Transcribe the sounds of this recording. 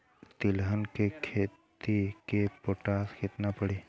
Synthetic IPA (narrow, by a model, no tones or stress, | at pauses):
t̪ɪlɦənkekʰeːt̪ikepoʈaːskʰɪt̪napəɽiː